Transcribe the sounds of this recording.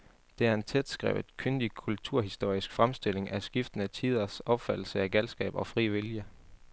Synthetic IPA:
d̥e̝æɐe̝nt͡sʰed̥sɡ̥ʁɛ̰ʊð̩ˠkʰønd̥ikʰult͡sʰuɐ̰ɦisd̥o̝ɐ̰isɡ̥fʁamsd̥e̝l̰e̝ŋʔæsɡ̥ifd̥n̩æt͡sʰið̞̰ˠɐsɒ̽b̥fæd̥l̩səæɡ̥ælsɡ̥ɛ̰ːb̥ɒ̽fʁḭːʋiljə

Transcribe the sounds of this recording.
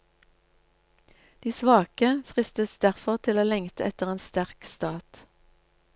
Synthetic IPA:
d̪̥iːsʋɑːkəfʁɪst̪əsd̪æʁfɔʁt̪ʰɪloːlɛŋt̪əʔɛt̪əʁeːnst̪æʁkst̪ɑːt̪

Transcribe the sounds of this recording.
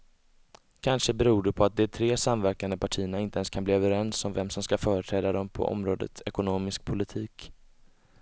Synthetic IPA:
kʰanʂəbɛɾuːɖɛpʰɔat̪̚d̪ɛt̪ʰɾeːsamvæɾkand̪əpʰaʈʰiːəɳaɪnt̪əɛnskʰanbliːœvəɾɛnsɔmvɛmsɔmskafœːɾəʈ̪ʰɾɛːd̪ad̪ɔmpʰɔ̰ʔɔ̰mɾoːd̪ə̰t̪ɛkʊnoːmɪsk̚pʰʊlɪt̪ʰiːk

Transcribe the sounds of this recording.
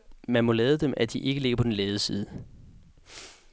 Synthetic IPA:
mænmɒ̽lɛːð̞ˠəd̥emʔæd̥iʔe̝ɡ̥əle̝ɡɐpʰɒ̽denlɛːðˠəsḭːð̞ˠə

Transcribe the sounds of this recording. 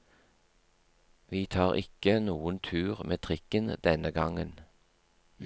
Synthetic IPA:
ʋiːt̪ʰɑːʁɪ̰kənuːənt̪ʰʉːʁmʔeːt̪ʰʁɪkənd̪̥ɛnəɡɑŋən

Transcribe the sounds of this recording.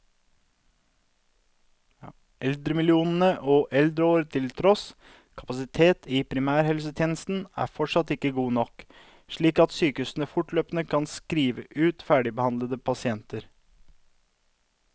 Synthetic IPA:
ʔɛld̪ɾəmɪlɪuːnən̩əʔoːʔɛld̪ɾəoːɾt̪ʰɪlt̪ʰɾɔs | kʰɑ̥pɑsɪt̪ʰeːt̪ʰiːpʰɾɪmæːɾhɛlsət̪ʰjeːnəst̪n̩æ̰ːfɔʈʂɑt̪ɪkːəɡuːnɔk | ʃɭiːkɑt̪syːkəʉsn̩əfʊʈløːpnəkʰɑnskɾiːʋə̰ʔʉːt̪fæːɖɪbəhɑnd̪ləd̪əpʰɑsɪɛnt̪əɾ

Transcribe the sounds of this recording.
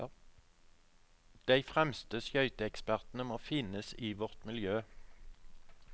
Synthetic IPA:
d̪̥æɪfʁɛmst̪əsjœʏt̪əɛkspæʁt̪n̩əmoːfɪnəsiːʋɔʁt̪mɪljøː

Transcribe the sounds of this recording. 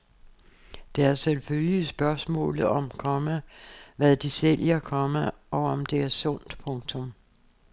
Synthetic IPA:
d̥eæɐselføljisb̥ɶɐsmɔ̰̽ːlð̩ˠɒ̽mkʰɒ̽məʋæðˠd̥isel̰jɐkʰɒ̽məʔɒ̽ɒ̽md̥e̝æɐsɔ̽n̰d̥pʰɔ̽ŋt͡sʰɔm

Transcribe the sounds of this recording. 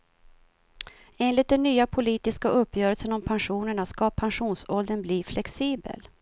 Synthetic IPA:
eːnlɪt̪̚d̪ɛnːyːapʰʊliːt̪ɪskaʔɵpːjœːɾəlsənɔmpʰanɧuːnəɳaskapʰanɧuːnsɔld̪ənbliːflʔɛksiːbə̰l

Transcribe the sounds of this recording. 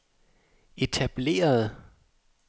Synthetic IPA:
e̝t͡sʰæb̥le̝̰ːɐð̩ˠ

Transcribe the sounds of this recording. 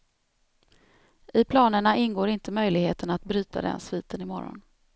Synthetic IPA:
ʔɪpʰlɑːnəɳaɪnɡoːɾɪnt̪əmœjlɪɡheːt̪ənat̪̚bɾy̟ːt̪a̰d̪ɛ̰nsviːt̪ənɪmɔɾɔ̰n

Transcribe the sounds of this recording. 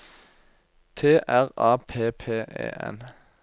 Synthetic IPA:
t̪ʰeːʔæʁɑːpʰeːpʰeːʔḛːʔɛ̰n

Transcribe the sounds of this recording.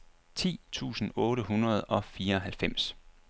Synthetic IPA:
t͡sʰḭːt͡sʰṵːsn̩ɔ̽ːɾəɦunʁɐð̞̩ˠɒ̽fiːɐɒ̽ɦælfem̰s

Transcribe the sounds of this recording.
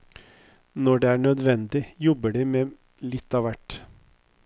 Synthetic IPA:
nɔɖeːæːɳœd̪ʋɛnd̪ɪjɔbəɖiːmeː | lɪt̪ːɑːʋæʈ

